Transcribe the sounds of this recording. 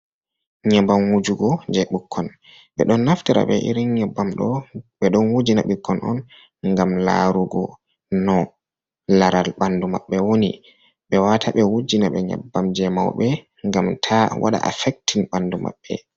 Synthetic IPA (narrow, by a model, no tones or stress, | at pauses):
ɲabamwud͡ʒuɡɔd͡ʒɛɓukʰːɔn | ɓɛɗɔnːaftaɾa̰ɓɛʔḭɾinɲɛbːamɗɔɓɛɗɔnwud͡ʒinaɓikʰːɔnʔɔ̰n | ŋɡamla̰ɾuɡɔ | nɔ | laɾalɓandumaɓːɛwonḭ | ɓɛwatʰaɓɛwud͡ʒinaɓɛɲa̰bːamd͡ʒɛma̰wɓɛ | ŋɡamtʰawʔa̰ɗa̰ʔa̰fɛk̚tiŋɓanduma̰ɓːɛ̰